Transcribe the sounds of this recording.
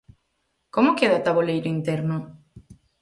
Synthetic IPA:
komʊkeðat̪aβolejɾʊint̪ɛɾnʊ

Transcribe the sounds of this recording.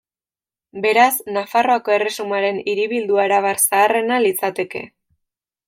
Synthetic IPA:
be̞ɾasnafaro̞ako̞e̞re̞sumaɾe̞niɾiβild̪uaeɾaβaɾsaːre̞nalit͡sat̪e̞ke̞̰

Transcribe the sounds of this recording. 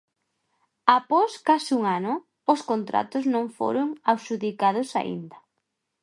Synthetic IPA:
apɔskasuŋanʊ | ʊskont̪ɾa̰t̪ʊznõŋfo̰ɾʊŋawʃuðikað̞ʊsa̰ʔḭnd̪ɐ

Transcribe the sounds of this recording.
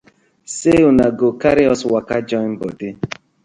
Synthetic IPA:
seunaɡokaɾiɔswakad͡ʒɔn̩bɔdɪ

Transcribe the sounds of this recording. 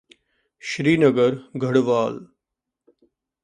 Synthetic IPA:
ʃɾiːnəɡəɾɡʱəɽʋaːl

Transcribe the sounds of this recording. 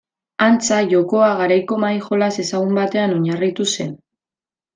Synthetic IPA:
ant͡saʝo̞ko̞aɣaɾajko̞majxo̞lase̞saɣumbat̪e̞ano̞ɲarit̪use̞n

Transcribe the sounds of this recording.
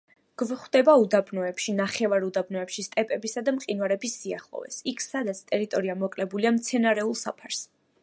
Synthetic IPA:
ɡ̥vχwd̪ɛbaud̪abnɔɛpʃinaχɛvaɾud̪abnɔɛpʃist̪ʼɛpʼɛbisad̪amqʼinwaɾɛbisːia̰χlˠɔ̰vɛ̰sikʰsad̪at̪sʰt̪ʼɛɾit̪ʼɔɾiamɔkʼlɛbuliamt̪sʰɛnaɾɛulˠsapʰaɾs

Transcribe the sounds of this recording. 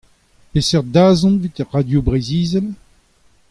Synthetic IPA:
pesɛʁd̪aːzɔ̃nvit̪ɛʁːad̪jobʁeziːzɛl

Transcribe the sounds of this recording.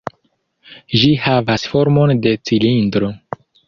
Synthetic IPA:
ʒihavasfo̞ɾmonde̞t͡silindɾo

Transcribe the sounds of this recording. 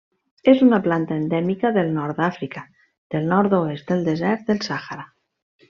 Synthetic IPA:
esunaplant̪aend̪emikaðelnoɾðafɾika | ð̥elnoɾðoest̪eld̪ezɛɾt̪̚ðelsaxaɾa

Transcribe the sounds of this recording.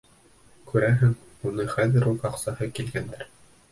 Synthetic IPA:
kʉɾæɦɘŋ | unɤχæðɘ̆ɾulˠɑqsɑhɤkilɡænd̪ɘɾ

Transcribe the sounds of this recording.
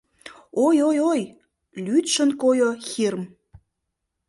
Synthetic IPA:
ojojoj | lyt̪ʃənkojoxirm

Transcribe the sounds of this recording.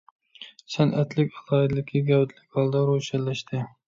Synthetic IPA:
sanʔæt̪ʰlɪkʲɑlˠɑd̪lɪkʲʰːɪɡʲawt̪lɪkʲhɒlˠd̪aɾoʃallːaʃt̪ʰɪ

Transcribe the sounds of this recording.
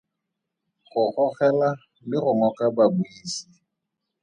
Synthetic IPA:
χʊχɔχɛla | lɪɣʊŋɔkababuiːsi̥

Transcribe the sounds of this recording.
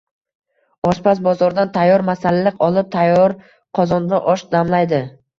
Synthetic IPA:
ɒʃpʰas̬bɒzɒɾd̪ant̪ʰajːɒɾmasalalɪqɒlˠɪp̚t̪ʰajːɒɾ | qʰɒzɒnd̪aʔɒʃd̪amlajd̪ɪ

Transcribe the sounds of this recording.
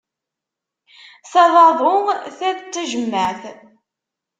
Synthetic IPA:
θæðˤɑðˤʊθæðt͡sːæʒəmːəθ

